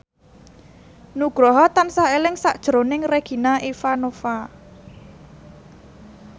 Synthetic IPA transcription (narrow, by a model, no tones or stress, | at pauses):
nuɡ̥ɾɔɦɔt̪ansaelɪŋsaʔd̥ʒ̥ɾonɪŋreɡ̥i̤naʔifanofa